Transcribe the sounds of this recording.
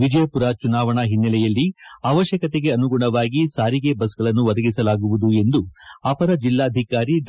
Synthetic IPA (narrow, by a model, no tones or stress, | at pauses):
ʋid͡ʒɐjɐpuɾat͡ʃunaːʋɐɳɐɦinːɐlɛjɐlːiaːʋɐʃjɐkɐt̪eɡe̞ɐnuɡuɳɐʋaːɡisaːɾiɡebɐs̬ɡɐɭɐnːuʋɐd̪ɐɡisɐlaːɡuʋud̪ue̞nd̪uapɐɾɐd͡ʒilːaːd̪ʱikaːɾiɖ